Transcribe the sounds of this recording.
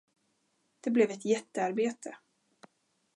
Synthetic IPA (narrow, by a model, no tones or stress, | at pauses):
d̪̥ɛblɛvɛt̪jɛt̪ːəaɾbeːt̪ʰə